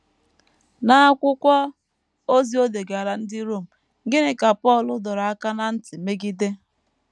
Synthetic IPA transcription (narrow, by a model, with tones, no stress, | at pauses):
na˦a˦kʷʊ˦kʷɔ˦ | o˦zi˦o˦de˨ɡa˨ɾa˨n̩˦dɪ˦ɾo˦˨m̩˨ | ɡɪ˦nɪ˨ka˨pɔ˦˨lʊ˦dɔ˨ɾa˨a˦ka˦na˦n̩˦tɪ˨me˦ɡi˦de˦